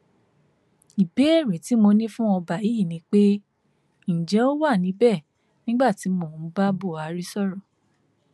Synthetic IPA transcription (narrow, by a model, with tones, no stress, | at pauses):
i˨be˨˦e˦˨ɾe˨ti˨˦mo˧nĩ˦fũ˦ɔ˧ba˨ji˨˦˨nĩ˨˧˦k͡pe˦ | ñ̩˨d͡ʒɛ˨˦o˦wa˦˨nĩ˨˦bɛ˦˨ | nĩ˦ɡ͡ba˦˨ti˨˦mõ˦˨˦ba˦bo˦˨a˨ɾi˦sɔ˦˨ɾɔ˨